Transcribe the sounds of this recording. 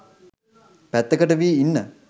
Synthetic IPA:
pæt̪ːəkəʈəʋiːinːə

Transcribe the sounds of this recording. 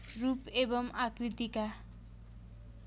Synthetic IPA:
rupebʌmakrit̪ika

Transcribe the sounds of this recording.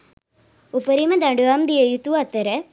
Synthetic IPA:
upɐɾimɐd̪aɳɖuamd̪ijejut̪uɐt̪ːɐɾɐ

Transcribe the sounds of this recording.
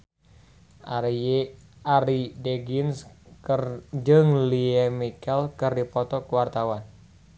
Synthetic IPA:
aɾideɡins | d͡ʒɨŋliɛmikɛlkɨrdipɔt̪ɔkuwart̪awan

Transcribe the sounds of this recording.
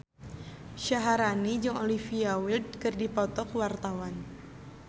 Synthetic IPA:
ʃaɦaɾanid͡ʒɨŋolifiawild̚kɨrdipɔt̪ɔkwart̪awan

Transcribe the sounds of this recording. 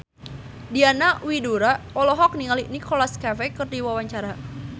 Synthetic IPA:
dianaʔwiduɾa | ɔlɔɦɔk̚niŋaliʔnikɔlaskavekərdiwawaɲt͡ʃaɾa

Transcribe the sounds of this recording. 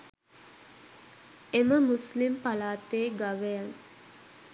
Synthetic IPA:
eməmuslimpalaːt̪eːɡaʋejaŋ

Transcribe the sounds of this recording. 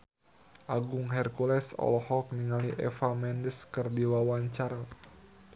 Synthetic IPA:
ʔaɡʊŋɦɛrkulɛsɔ̰lɔhɔk̚niŋaliʔɛ̰famɛndəskərdiwawaɲt͡ʃaɾa

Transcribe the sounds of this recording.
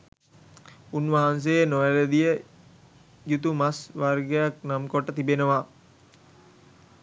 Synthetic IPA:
unʋaɦans̬ejenojæɾəd̪ijə | jut̪umasʋarɡejak̚namkoʈːət̪ibenəʋa

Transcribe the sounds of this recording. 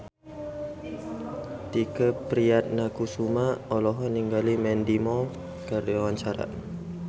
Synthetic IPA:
t̪ikəpɾiat̪̚nakusumaɔlɔɦɔniŋɡalimɛndimɔ | kəɾiɔwaɲt͡ʃaɾa̰

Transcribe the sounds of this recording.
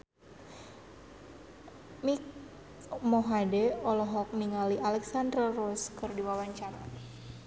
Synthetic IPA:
mik | mɔɦadɛɔlɔɦɔk̚niŋaliʔalɛksand̪ɾarɔskɨrdiwawaɲt͡ʃaɾa

